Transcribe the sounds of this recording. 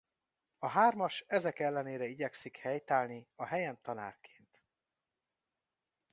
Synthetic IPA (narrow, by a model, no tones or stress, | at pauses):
ɒɦaːrmɒʃɛzɛkɛlːɛneːɾɛiɟɛksikhɛjt̪aːlniɒɦɛjɛnt̪ɒna̰ːrkʰe̥ːnt̪